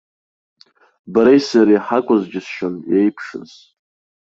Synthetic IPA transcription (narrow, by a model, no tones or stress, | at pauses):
baɾejsaɾijħakʷʼʊzd͡ʒɪsʃonjejpʰʂɨ̰z̥